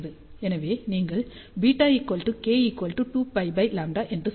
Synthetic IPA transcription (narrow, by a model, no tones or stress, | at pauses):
ðɯ | ɛnɐʋeːniːŋɡɐɭbiːʈːaːjikːoːlʈːɯkeːikoːlʈɯʈuːpɐɪbɐɪlaːɳɖaʔɛndrɯ